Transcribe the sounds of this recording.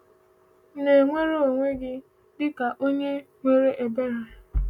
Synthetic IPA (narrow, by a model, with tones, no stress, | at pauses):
ne˨ŋʷe˦ɾe˦o˨ŋʷe˦ɡɪ˦ | dɪ˦ka˨ʔo˦ɲe˦ | ŋʷe˦ɾe˦ʔe˨be˦ɾa˦˨